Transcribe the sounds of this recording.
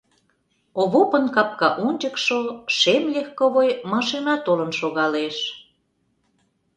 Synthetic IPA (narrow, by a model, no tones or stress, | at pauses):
oβopənkɑp̚kɑʔunʲt͡ɕəkʃoʃemlʲexkoβojmɑʃinɑt̪olə̆nʃoɣɑleʃ